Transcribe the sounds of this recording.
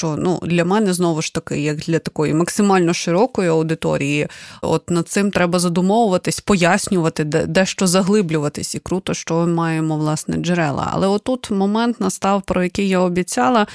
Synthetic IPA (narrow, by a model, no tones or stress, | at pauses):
ʃt͡ʃɔnṵd̪lʲɐmɛnɛznɔʋʊʃt̪ɐkɪ̰jɐɡd̪lʲɐt̪ɐkɔjḭmɐksɪmɑlʲnɔʃɪɾɔkɔjiɐwd̪ɪt̪ɔ̰ɾʲijiɔ̰t̪nɐd̪̚sɪmt̪ɾɛbɐzɐd̪ʊmɔʋʊʋɐt̪ɪsʲpɔjasʲnʲʊʋɐt̪ɪd̪ɛ̰d̪ɛʃt͡ʃɔzɐɦlˠɪblʲʊʋɐt̪ɪsʲikɾut̪ɔʃt͡ʃɔmɪmɑjemɔʋlˠɑsnɛ̰d͡ʒɛɾɛ̰lˠɐ̰ɐ̰lˠɛɔt̪ːut̪mɔmɛnt̪nɐst̪ɑwpɾɔjɐkɪjjaɔbʲit͡sʲɑlˠɐ